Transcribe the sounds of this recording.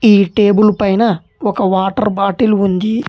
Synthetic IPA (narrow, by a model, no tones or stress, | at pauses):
iːʈeːbulpɐjnɐ | ɔkɐʋaːʈɐɾbaːʈiluund̪i